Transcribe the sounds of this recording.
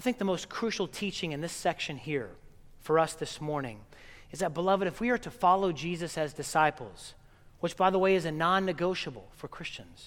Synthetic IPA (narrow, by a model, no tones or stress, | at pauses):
aɪθɪ̃ŋk̚ðəmoʊskʰɹ̥ʉʃl̩ˠtʰit͡ʃɪ̃ŋɨ̃nðɪsɛkʃɨ̃nhiɹ | fə˞ʌsðɪsmɔɹnɪ̰̃ŋ | ɨzðɨt̚b̥əlʌvɨɾɨfwiə˞ɾɨfɑlˠoʊd͡ʒizɨsɨzdɨsaɪpl̩ˠz̥ | wət͡ʃb̥aɪðəweɪɨzɨnɑ̃nːɨɡoʊʃəbl̩ˠfə˞kʰɹ̥ɪst͡ʃɨ̃nz̥